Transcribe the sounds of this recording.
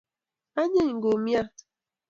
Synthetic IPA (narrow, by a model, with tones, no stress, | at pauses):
a˦ɲe˦ɲ˨ɡo˨mja˦